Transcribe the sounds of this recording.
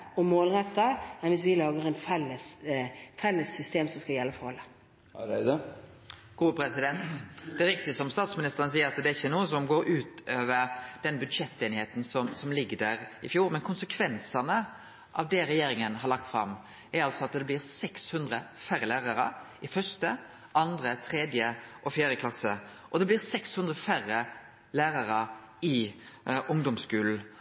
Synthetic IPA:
ɔmoːlɾɛt̪ːəɛnʋɪsʋɪlɑːɡəɾɛnfɛlːəsfɛlːəsːʏst̪eːmsɔmskɑljɛlːəfɔhɔlːə | ɪd̪ə | ɡ̥uːəpʰɾɛsɪd̪ɛnt̪d̪ɛɾɪk̚t̪ɪəsɔmst̪ɑːt̪smɪnɪst̪əɾənəs̬iːəɾɑt̪d̪ɛɾɪçːənuːəsɔmɡoːɾʉːt̪øːʋəɾd̪̥ɛnbʉd̪ʂɛt̪ːeːnɪheːt̪n̩sɔmsɔmlɪɡːəd̪æɾɪfjuːɾmɛnkʰʊnsəkʰʋɛnsɑnə | ʔɑ̰ʋd̪ɛɾɛjeːɾɪŋənɦɑɾɭɑk̚t̪fɾɑ̰mː | æɾɑlsɔɑt̪d̪ɛblɪːʁsɛkshʉnd̪ʁəfæɾəlæːʁɑɾə̰ | ɪfœst̪ə | ʔɑnd̪ɾət̪ʰɾɛd̪jəʔɔfjæːɾjəkʰlɑsːə | ʔɔd̪ɛblɪːʁsɛkshʉnd̪ɾəfæɾːə | læːɾɑɾə | ɪ | ʔʊŋd̪ɔmskʉːl̩

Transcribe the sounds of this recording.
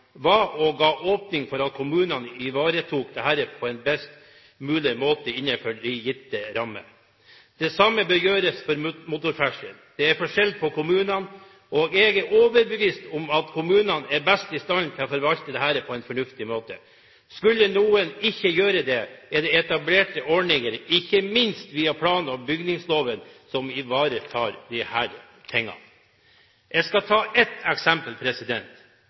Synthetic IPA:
ʋɑːʔɔɡɑːʔoːpnɪŋfɔɾɑt̪̚kʰʊmʉːnɑnɪʋɑːɾət̪ʰuːk̚d̪ɛhæːɾəpʰɔɛnbɛst̪ | mʉːlɪmoːt̪əɪnːəfɔɖɪjɪt̪ːəɾɑmːə̰ | d̪̥ɛsɑmːəbəjøːɾəsfɔɾmʊt̪ʊɾfæʂənd̪̥ɛæɾfɔʂɛld̪̚pʰɔkʊmʉːnɑn | oːɡɛɡæɾoːʋəɾbəʋiːst̪ʊmɑt̪kʰʊmʉːnɑnæɾbɛst̪ɪst̪ɑnt̪ʰɪlɔfɔɾʋɑlt̪əd̪ɛɦæːɾəpʰɔɛnfɔɳʉft̪ɪmoːt̪ə̰ | skʉlːənuːənɪçːəjøːɾəd̪ɛɛd̪ɛɛt̪ɑbleːʈəʔɔɳɪŋəɾɪçːəmɪnst̪ʋiːɑpʰlɑːnəɔmbʏɡnɪŋsloːʋənsɔmɪʋɑːɾət̪ʰɑːɾd̪ɪhæːɾ | pʰɛŋːɑ̰n | ʔɛskɑt̪ʰɑːʔɛt̪ːɛksɛmpəlpʰɾɛsɪd̪ɛnt̪

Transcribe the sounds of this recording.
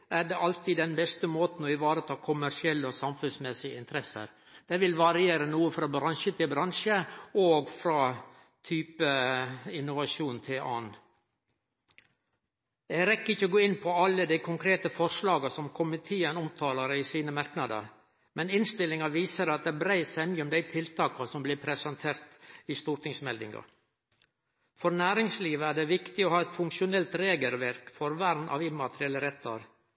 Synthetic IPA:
ʔæɖɛɑlt̪id̪ɛnbɛst̪əmoːt̪n̩ɔɪʋɑːɾət̪ʰɑːkʰʊmæʂɪɛlːəɔsɑmfʉnsmɛsɪəɪnt̪ʰəɾɛsə̰ɾ | d̪̥ɛʋɪlʋɑɾɪeːɾənuːəfɾɑːbɾɑnʃət̪ʰɪlbɾɑnʂəoːɡfɾɑː | t̪ʰyːpəɪnʊʋɑʂuːnt̪ʰɪlʔɑ̰ːn | ɛɡɾɛkːɪçːəɔɡoːɪnːpʰɔɑlːəd̪æɪkʰʊŋkʰɾeːt̪əfɔɾʂlɑːɡɑsɔmkʰʊmɪt̪ʰeːənɔmt̪ʰɑːlɑɾiːsiːnəmɑɾknɑd̪ə̰ɾ | mʔɛnɪnst̪ɪlːɪŋɑʋiːsəɾɑt̪̚d̪ɛːbɾæɪsæɪmyːɔmd̪æɪt̪ʰɪlt̪ʰɑːkɑsɔmblɪpʰɾɛsɑnt̪ʰeːɾt̪ist̪uːɾʈ̪ʰɪŋsmɛld̪ɪ̰ŋɑ̰ | fɔɾnæːɾɪŋsliːʋəæːɖɛʋɪkt̪ɪohɑːɛt̪fʊŋkʃʊnɛlt̪ɾeːɡəlʋæɾkfɔɾʋæɾnʔɑ̰ʋɪmːɑt̪əɾɪɛlːəɾɛt̪ːɑ̰ɾ

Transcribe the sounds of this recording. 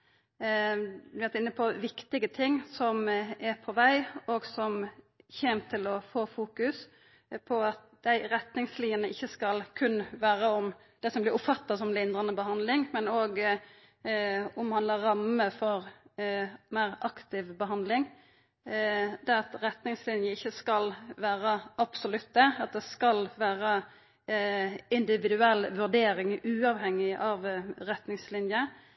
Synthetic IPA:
ʋæt̪ɪnːəpʰɔʋɪkt̪ɪɡət̪ʰɪŋːsɔmɛɾpʰɔʋæɪoɡsɔm | çeːnt̪ʰɪlɔfoːfuːkʉs | pʰɔɑt̪̚d̪̥æɪɾɛt̪nɪŋsliːənəɪçːəskɑlkʰʉnːʋæːɾəɔm | d̪̥ɛsɔmblɪɾʊpfɑt̪ːɑsɔmlɪnd̪ʁɑnəbəɦɑnd̪lɪŋmɛnoːɡ | ɔmhɑnəɾɑməfɔʁ | mæɪʁɑkt̪ɪʋbəɦɑnd̪lɪŋ | d̪ɛɑt̪ɾɛt̪nɪŋslɪnjəɪçːəskɑlʋæːɾəʔɑb̥sɔlʉt̪̚d̪ɛɑt̪̚d̪ɛskɑlʋæːʁə | ɪnd̪ɪʋɪd̪ʉɛlːʋʉʁd̪eːɾɪŋʉːɑʋhɛŋːɪʔɑʋɾɛt̪nɪŋslɪnjə

